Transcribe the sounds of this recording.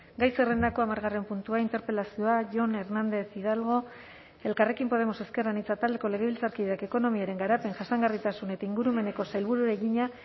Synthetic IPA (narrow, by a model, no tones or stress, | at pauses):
ɡajse̞re̞nd̪ako̞amaɾɣare̞mpunt̪uaint̪e̞ɾpe̞lasio̞aʝo̞ne̞ɾnand̪e̞θið̞alɣ̞o̞ | e̞lkare̞kimpo̞ð̞e̞mo̞se̞ske̞ranit͡sat̪ald̪e̞ko̞le̞ɣ̞e̞βilt͡saɾkiʎeake̞ko̞no̞miaɾe̞ŋɡaɾape̞ŋʝasaŋɡarit̪asune̞t̪aiŋɡuɾume̞ne̞ko̞sajlβuɾuɾeɣiɲa